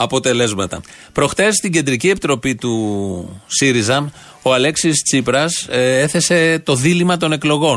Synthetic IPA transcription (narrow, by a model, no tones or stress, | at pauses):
ɐpo̞t̪e̞le̞zmɐt̪ɐ̰ | pɾo̞xt̪est̪iɲɟe̞nd̪ɾicie̞pit̪ɾo̞pit̪u | siɾizɐm | o̞ɐle̞ksist͡sipɾɐse̞θe̞se̞t̪o̞ðilimɐt̪o̞ne̞klo̞ɣo̞